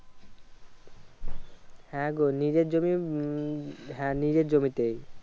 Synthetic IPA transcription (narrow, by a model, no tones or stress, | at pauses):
hɛɡonid͡ʑed͡ʑomi | ɦɛnid͡ʑeɾd͡ʑomit̪ej